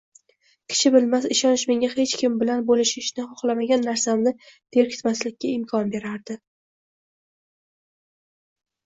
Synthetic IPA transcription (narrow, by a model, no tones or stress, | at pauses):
kʲʰɪ̥t͡ʃʰɪbɪlmasɪʃɒnɪʃme̞ŋʲahe̞t͡ʃkʲɪmbɪlanbolɪʃɪʃnɪχɒχlˠamaɡʲanːaɾsamnɪd̪̥ʰe̞ɾkʲʰɪ̥t̪maslɪkʲːaɪmkʰɒnbe̞ɾaɾd̪ɪ